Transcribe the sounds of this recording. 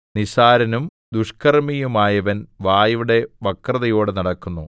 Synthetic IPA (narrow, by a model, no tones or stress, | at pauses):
niɕaːɾɐnum | d̪uʂkɐrmijumaːjɐʋɐnʋaːjɐuɽe̞ʋɐkrɐðɐjo̞ːɽɨnɐɽɐkːunːu